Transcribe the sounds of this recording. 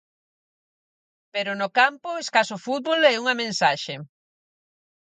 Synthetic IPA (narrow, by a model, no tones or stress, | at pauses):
peɾʊnʊkampʊeskasʊfut̪̚βolɛuŋɐmẽnsaʃe